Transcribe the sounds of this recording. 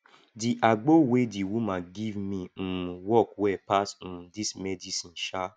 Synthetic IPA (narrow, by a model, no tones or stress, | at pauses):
diʔaɡ͡bowediwumãɡivmĩwɔkwɛpas̩dismɛdisĩnʃa